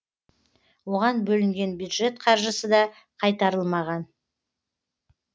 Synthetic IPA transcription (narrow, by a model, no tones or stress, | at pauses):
wo̞ʁɑnbɵlɪŋɡʲe̞nbjud̪ʒe̞t̪qʰɑɾʒəsəd̪ɑ | qʰɑjt̪ɑɾəlˠmɑʁɑn